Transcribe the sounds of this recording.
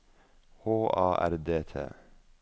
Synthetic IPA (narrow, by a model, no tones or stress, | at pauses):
hoːʔɑːʔæ̰ɾd̪eːt̪ʰḛː